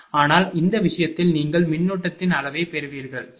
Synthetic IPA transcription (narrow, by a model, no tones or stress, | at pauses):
aːnaːlɪnd̪ɐʋɪʂɐjɐt̪ːɪlniːŋɡɐɭmɪɳːuːʈːɐt̪ːɪnɐlɐʋeːpɛɾɯʋiːɾɣɐɭ